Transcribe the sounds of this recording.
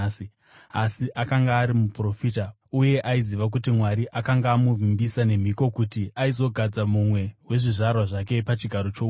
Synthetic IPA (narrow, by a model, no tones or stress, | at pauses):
asiʔakaŋɡaːɾimupro̞fiːta | uje̞ʔaiziʋak̬utimwaɾiʔakaŋɡaːmuvimbisane̞m̤iko̞kutiʔaizo̞ɡʱad͡zamumwe̞we̞ʐiʐarwaʐake̞pat͡ʃiɡʱaɾo̞t͡ʃo